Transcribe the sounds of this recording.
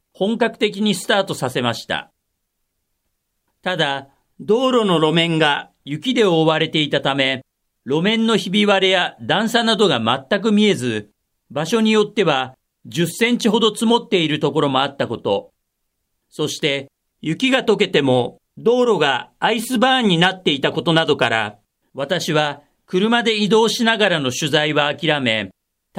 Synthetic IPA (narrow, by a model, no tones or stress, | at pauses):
hõ̞ŋkakɯ̟̥t̪e̞k̬ʲiɲ̟isɨ̥t̪aːt̪o̞sase̞maɕi̥t̪a̰ | t̪ad̪a | d̪o̞ːɾo̞no̞ɾo̞mẽ̞ŋɡa | jɯ̟kʲid̪e̞oβaɾe̞t̪e̞it̪at̪ame̞ | ɾo̞mẽ̞nːo̞çibʲiβaɾe̞jad̪ãɰ̃sanad̪o̞ɡamat̪ːak̬ɯ̟mʲie̞zɨ | baɕo̞ɲ̟ijo̞t̪ːe̞βa | d͡ʑɨsːẽ̞ɲ̟t͡ɕiɦo̞d̪o̞t͡sɨmo̞t̪ːe̞iɾɯ̟t̪o̞ko̞ɾo̞mo̞at̪ːako̞t̪o̞ | so̞ɕi̥t̪e̞ | jɯ̟kʲiɡat̪o̞ke̞t̪e̞mo̞ | d̪o̞ːɾo̞ɡaːisɨbãːɲ̟ːinat̪ːe̞it̪ako̞t̪o̞nad̪o̞kaɾa̰ | βat̪aɕiβa | kɯ̟ɾɯ̟mad̪e̞id̪o̞ːɕinaɡaɾano̞ɕɨzaiβaːkʲiɾame̞